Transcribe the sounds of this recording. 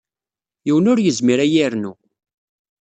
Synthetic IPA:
jiwənʊɾjəzmiɾæjiɾnu

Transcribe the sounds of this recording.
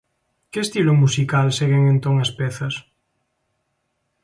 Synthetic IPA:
keest̪ilomusikalseɣeŋẽnt̪oŋaspɛθɐs

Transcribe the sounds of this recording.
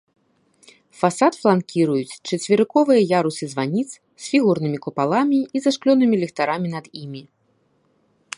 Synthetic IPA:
fasat̪flˠankʲiɾujut͡sʲt͡ʂɐt͡sʲvʲiɾɨkɔvɨjɐjaɾusɨzvanʲit̪s | sʲfʲiɣurnɨmʲikupalˠamʲiizaʂklʲɔnɨmʲilʲɛxt̪aɾamʲinɐd̪imʲi

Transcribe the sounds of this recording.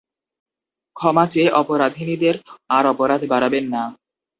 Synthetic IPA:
kʰɔmat͡ɕeʔɔpoɾad̪ʱinid̪eɾaɾɔpoɾad̪ʱbaɾabenːa

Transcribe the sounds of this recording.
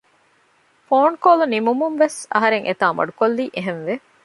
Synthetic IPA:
foːnkoːlunimumumʋesɐ̰ɦɐɾeŋʔet̪aːmɐ̰ɖukolːiːʔeɦenʋe

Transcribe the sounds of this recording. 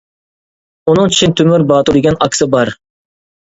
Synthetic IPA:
unɨŋt͡ʃʰi̥t͡ʃʰint̪ʰymyɾbɑːt̪uɾd̪ɪɡʲɛnɑkʲsɨbɑɾ

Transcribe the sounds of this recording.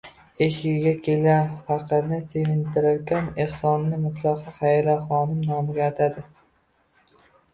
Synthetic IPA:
eʃɡɪɡʲakʲʰelɡanfɑqʰɨɾnɪsʰeŋɪnt̪ʰɪɾɪɾkʲaneχsɒnːɪmʊt̪ʰlˠɑqʰɑχajɾaχɒnɪmnɒmɪɡʲaːt̪ʰad̪ɪ

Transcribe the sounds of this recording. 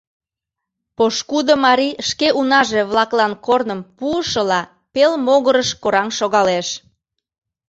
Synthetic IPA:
poʃkud̪əmɑɾiəʃkeʔunɑʒeβlɑklɑnkornəmpuəʃəlɑ | pelmoɣəɾəʃkoɾɑŋʃoɣɑleʃ

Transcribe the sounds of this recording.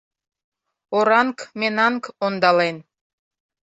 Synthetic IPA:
oɾɑŋkmenɑŋkond̪ɑlen

